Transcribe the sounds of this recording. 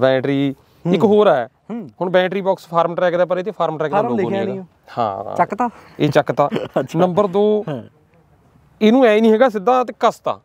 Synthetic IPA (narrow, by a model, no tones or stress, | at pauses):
bɛ̃ːʈɾiː | ɪkɦoːɾɛː | hʊɳbɛ̃ːʈɾiːbɔːkspʰaːɾmʈɾɛːkd̪ɛːp̬əɾeːt̪eːpʰaːɾmʈɾɛːkdaːloːeː | hã̰ːa̰ət̪aeːt͡ʃəkt̪aːt͡ʃːnəmbəɾd̪oː | eːnũːɛːiːnĩɦɛːɡaːsɪd̪ãːt̪eːkəst̪a̰ː